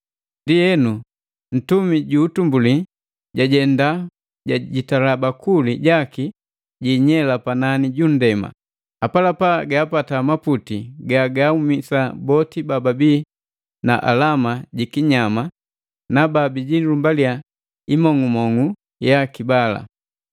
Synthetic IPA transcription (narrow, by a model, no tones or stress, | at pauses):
ndijɛnu | n̩tumiɟuːtumbuli | ɟaɟɛnda | ɟaɟitalabakuliɟaki | ɟiːɲɛlapananiɟun̩dɛma̰ | apalapaɡaːpatamaputiɡaɡaumisabɔtibababiː | naʔa̰lamaɟikiɲama | nababiɟilumbalia | imɔŋɡumɔŋu | jakibala̰